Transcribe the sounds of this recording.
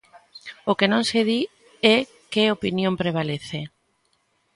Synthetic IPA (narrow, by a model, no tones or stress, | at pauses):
okenõŋseði | ɛ | keopinjõmpɾeβ̞aleθe